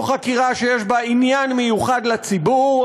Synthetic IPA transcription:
χakiʁaʃe̞jeʃbainjanmejuχad̪lat͡sibu

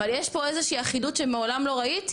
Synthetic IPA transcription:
aljeʃpo̞ezeʃiːaχidutʃemeolamlo̞ʁait̪

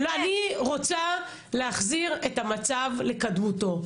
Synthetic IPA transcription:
loaniʁot͡sa | leaχziʁetamat͡savle̞kadmuto̞

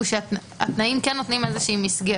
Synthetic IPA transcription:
uʃeat | a̰t̪naimkɛnːot̪nimezeʃiimisɡe

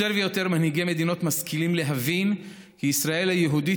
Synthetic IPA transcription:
eʁvejo̞t̪e̞ʁmanhiɡeme̞d̪ino̞t̪maskilimle̞ɦavin | kiːsʁae̞lhajeɦudi

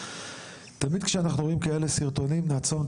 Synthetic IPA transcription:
t̪amid̪kʃeanaχnuʁoimkae̞le̞siʁt̪o̞nimnaːt͡so̞m

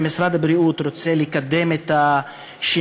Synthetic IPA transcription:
misɾad̪abɾiut̪ɾo̞t͡selikad̪e̞met̪a | ʃi

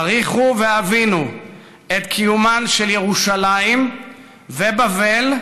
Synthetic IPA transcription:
ʁiχuveavinu | et̪kʰijumanʃelje̞ʁuʃalaim | vebavel

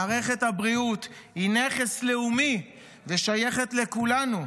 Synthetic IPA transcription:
aːʁe̞χe̞t̪habʁiut̪ | hineχesleumi | veʃaje̞χe̞t̪le̞kulanu

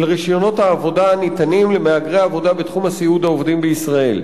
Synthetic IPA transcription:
lʁiʃjo̞no̞thaːvo̞daanit̪animlemeaɡʁeaːvo̞d̪abet̪χumasiud̪haovd̪imbeisʁae̞̰l

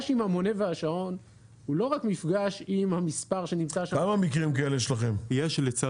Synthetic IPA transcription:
ʃimhamo̞ne̞veaʃao̞n | hulo̞ʁakmifɡaʃimhamispaʁʃe̞nimt͡saʃakamamikʁimkaeleʃelaχemijeʃlet͡sa

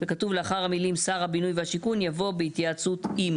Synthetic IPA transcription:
vekatuvleaχaʁhamilimsaʁhabinujvehaʃikunjavo̞behit̪jaat͡sut̪im

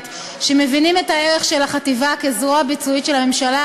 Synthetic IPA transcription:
t | ʃeme̞vinimetaeʁeχʃe̞laχativakezʁoabit͡suitʃelame̞mʃala

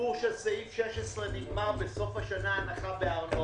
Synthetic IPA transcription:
uʁʃesaifʃeʃesʁeniɡmaʁbeso̞fhaʃanaːnaχabeaʁno

